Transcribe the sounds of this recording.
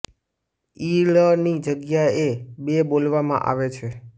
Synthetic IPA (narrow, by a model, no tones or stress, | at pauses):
ilənid͡ʒəɡjaebebolʋamã̰ʔa̰ʋet͡ʃʰe